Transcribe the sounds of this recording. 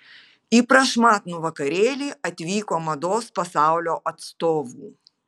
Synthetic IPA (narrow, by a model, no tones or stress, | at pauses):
ipɾɐʂmat̪nʊvɐkɐɾʲelʲiɐt̪ʲvʲikʊɐmɐd̪ɔspɐsawlʲɔʔɐt̪st̪ɔvu